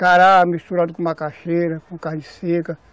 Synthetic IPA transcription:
kaɾamist̪uɾad̪ʊkõũmɐkaʃejɾɐkõkaɾɲisekɐ

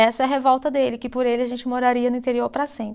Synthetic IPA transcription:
ɛsɐɛɐɦevɔwt̪ɐd̪elɪkɪpoɾelɪaʒẽnt͡ʃɪmoɾaɾiɐnʊĩt̪eɾioɾpɾɐsẽp

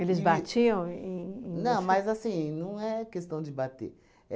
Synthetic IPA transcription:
elɪzbat͡ʃiɐ̃w̃ẽnɐ̃w̃mɐzasĩnɐ̃w̃ɛkest̪ɐ̃w̃d͡ʒɪbat̪ḛ

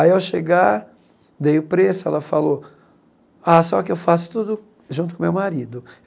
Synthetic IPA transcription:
aiawʃeɡaɾ | d̪ejʊpɾesʊɛ̰lɐfalo | asɔkɪewfasʊ̥t̪ud̪ʊ | ʒũt̪̬ʊkõmewmaɾid̪ʊ

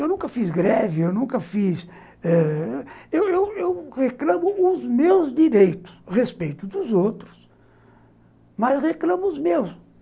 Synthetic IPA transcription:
ewnũŋkɐfizɡɾɛviewnũkɐfis | ɛ | ewewewʁeklɐ̃mʊːzmewzd̪iɾejt̪ʊ̥sʁespejt̪ʊd̪ʊzowt̪ɾʊs | mɐsʁeklɐ̃mʊːzmews

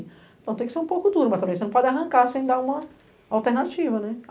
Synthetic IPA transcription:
ẽt̪ɐ̃t̪ẽj̃kɪseɾũpowkʊd̪uɾʊmɐst̪ɐ̃mbẽj̃senɐ̃pɔd͡ʒɪaɦɐ̃ŋkaɾsẽj̃d̪aũmɐ | awt̪eɾnat͡ʃivɐnɛ

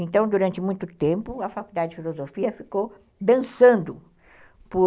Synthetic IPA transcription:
ẽnt̪ɐ̃w̃d̪uɾɐ̃nt͡ʃ̪ɪmũj̃t̪ʊt̪ẽmpʊɐfakuld̪ad͡ʒɪd͡ʒɪfilozofiɐfikow | d̪ɐ̃sɐ̃nd̪ʊ | pʊ

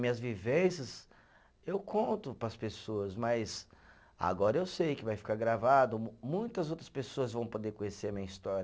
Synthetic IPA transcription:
mĩɲɐzvivẽsɐz | ewkʰõnt̪ʊpɾɐspesoɐzmɐjz | a̰ɡɔɾɐewsejkɪvajfi̥kaɾɡɾavad̪ʊmũj̃t̪ɐzowt̪ɾɐ̥spesoɐzvɐ̃w̃pod̪eɾkõɲeseɾɐmĩɲɐist̪ɔɾɐ

